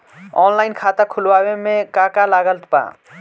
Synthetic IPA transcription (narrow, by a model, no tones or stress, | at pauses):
ɔ̰nlajnkʰat̪akʰulwawemẽkakalaɡəlt̪pã̰